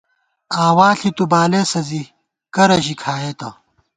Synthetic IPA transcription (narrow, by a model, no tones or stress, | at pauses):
aːwaːɬit̪ubaːleːsɐzi | kɐɾɐʑikʰaːjeːt̪ɐ